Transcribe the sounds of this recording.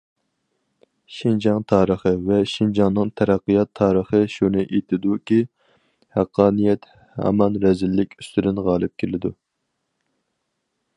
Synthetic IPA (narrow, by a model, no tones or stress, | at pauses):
ʃind͡ʒɑŋt̪ʰɑːɾəχəvɛʃind͡ʒɑŋnɨŋt̪ʰæɾæqːɨjɑt̪ʰːɑːɾəχəʃunɨʔet̪ʰɪd̪ukʲi | hæqʰːɑːnijɛt̪ | hɑ̰mɑnɾɛzɪlːɪkʲʰy̥st̪ʰyd̪ɪnʁɑːlˠɨp̚kʲʰelɪd̪ṵ